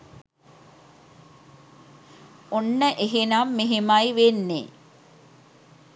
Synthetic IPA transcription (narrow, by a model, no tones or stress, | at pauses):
onːəʔeɦenaːmːeɦemajʋenːḛ